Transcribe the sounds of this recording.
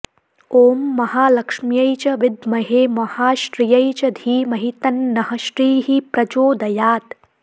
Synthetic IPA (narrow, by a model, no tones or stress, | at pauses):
oːmːɐhaːlɐkʂmjɐjt͡ʃɐʋɪd̪mɐɦeːmɐhaːʃɾijɐjt͡ʃɐd̪ʱiːmɐɦit̪ɐnːɐɦɐʃɾiːɦipɾɐd͡ʒoːd̪ɐjaːd̪